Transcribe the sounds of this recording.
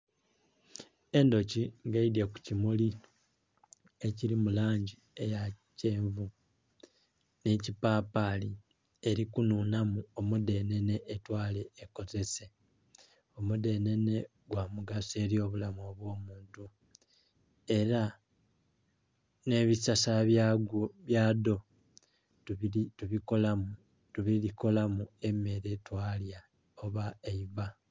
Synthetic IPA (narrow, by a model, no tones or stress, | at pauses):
e̞ndo̞ciŋɡaidjeku̥cimuli | e̞cilimulaːɲɟi | e̞jace̞ːɱvu | ne̞cipapali | e̞ɾikunuːnamuomude̞ne̞ne̞ʔːtwaːle̞ːko̞ze̞se̞ | o̞mude̞ne̞ne̞ | ɡwamuɡase̞ɾjo̞ːβulamoβwo̞ːmuːntu | e̞ɾa | ne̞βisasaβjaɡβjaːdo̞ | tuβikola | tuβiliko̞lamue̞me̞ɾetwaːlja | oβaeiβa